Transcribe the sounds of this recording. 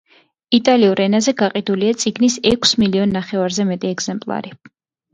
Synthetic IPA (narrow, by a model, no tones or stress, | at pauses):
it̪ʼaliuɾɛnazɛɡaqʼid̪uliat̪sʼiɡnisɛkʷʰsmiliɔnːaχɛvaɾzɛmɛt̪ʼiɛɡz̥ɛmpʼlˠa̰ɾi